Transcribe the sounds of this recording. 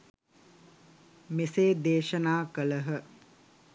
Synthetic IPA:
meseːd̪eːʃənaːkələɦə

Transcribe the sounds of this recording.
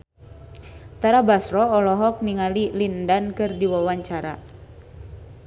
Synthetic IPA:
t̪aɾabasɾɔɔlɔɦɔk̚niŋalilindankɨrdiwawaɲt͡ʃaɾa̰

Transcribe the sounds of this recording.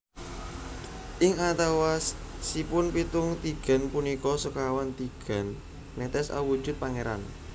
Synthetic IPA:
ʔɪŋat̪awasipʊnpit̪ʊŋt̪iɡ̥a̤npunikɔsɔkawant̪iɡ̥a̤nː | ɛt̪ɛsa̰wud̥ʒ̥ʊ̤t̪̚paŋeɾa̰n

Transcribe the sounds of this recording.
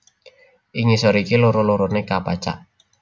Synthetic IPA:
ʔiŋisɔɾikiloɾoloɾonekapat͡ʃa̰ʔ

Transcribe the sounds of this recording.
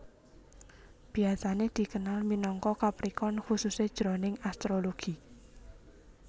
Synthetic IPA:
b̥i̤asaned̪̥i̤kənalminɔŋkɔkapɾikɔnxusused̥ʒ̥ɾɔnɪŋast̪ɾoloɡ̥i

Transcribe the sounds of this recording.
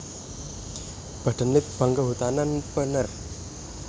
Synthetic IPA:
b̥ə̤ʈənːɪt̪̚b̥aŋɡəɦut̪ananpənər

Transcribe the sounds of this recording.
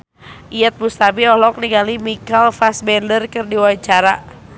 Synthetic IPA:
ʔiat̪̚must̪abiɔhlɔk̚niɡalimikalfasbɛndərkɨrdiwaɲt͡ʃaɾa

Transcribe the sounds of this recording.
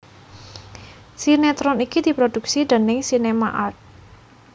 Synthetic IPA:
sinet̪ɾɔnikid̪̥i̤pɾod̪̥ṳksid̪̥ə̤nɪŋsinema̰ʔat̪̚

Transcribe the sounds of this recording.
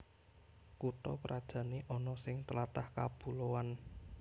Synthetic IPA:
kut̪ɔpəɾʔad̥ʒ̥ä̤neʔɔnɔsɪŋt̪əlat̪ahkab̥ṳlowan

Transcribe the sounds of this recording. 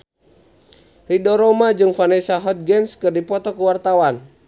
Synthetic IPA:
ridɔɾɔmad͡ʒɨŋfanɛsaɦɔt̪̚ɡɛnskɨrdipɔt̪ɔkuwart̪awan

